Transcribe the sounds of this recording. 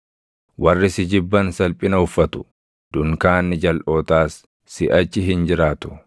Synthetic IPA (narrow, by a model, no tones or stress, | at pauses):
wɐrːɪsɪd͡ʒɪbːɐnsɐlpʼɪnɐʊfːɐt̪ʊ̥ | d̪̥ʊŋkaːnːɪd͡ʒɐlʔo̞ːt̪aːsː | ɪʔɐt͡ʃːɪɦɪnd͡ʒɪɾaːt̪ʊ̥